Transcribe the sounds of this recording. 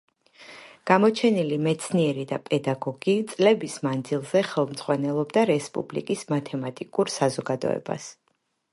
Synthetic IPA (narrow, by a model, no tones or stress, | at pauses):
ɡ̥amɔt͡ʃʰɛnilimɛt̪sʰniɛɾid̪apʼɛd̪aɡɔɡ̥it̪sʼlɛbismand̪zilˠzɛχɛlˠmz̥ʁwanɛlˠɔbd̪aɾɛspʼṵblḭkʼismat̪ʰɛmat̪ʼikʼuɾsazɔɡad̪ɔ̰ɛ̰ba̰s